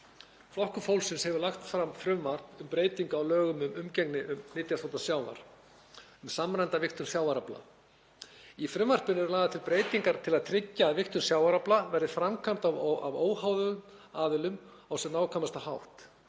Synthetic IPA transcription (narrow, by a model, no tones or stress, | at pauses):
flɔhkʏfowlsɪnshɛvʏɾlaxt̪fɾamfɾʏmvar̥pʏmpɾeːjt̪iŋkaːwlœːɣʏmʏmʏmcɛknɪʔʏmnɪːt̪jasθowt̪asjaːwna̰ɾ̥ | ʏmsamɾajnt̪avɪxt̪ʏmsjaːwaɾapla̰ | ifɾʏmvar̥pɪnɛɾʏlaːɣðat̪ʰɪlpɾeːjt̪iŋkaɾ̥t̪ʰɪlaðt̪ʰɾɪcːaðvɪht̪ʏnsjawaɾaplavɛɾðɪfɾamkʰam̥t̪awavoːwhaːwðʏɣʏm | aːðɪlʏm | awsɛnaːwkʰamast̪ahawht̪